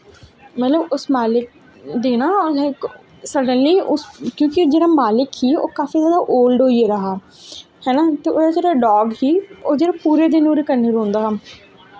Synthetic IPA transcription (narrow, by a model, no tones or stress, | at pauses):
mɛt̪ləbʊsmaːlɪk̚ | d̪eːnaː | səɾɖənliːʊskjõːkɪd͡ʒeːɽaːmaːlɪkhiːo̰ːkaːfiːzjaːd̪aːʔoːlɖoːieɾəɦaː | hɛːnaːt̪eːoːɾaːd͡ʒeːɽaːɖɔːɡɦiːoːd͡ʒeːɽaːpuːɾeːd̪ɪnoːɾeːkənːeːɾõːnd̪aːɦəm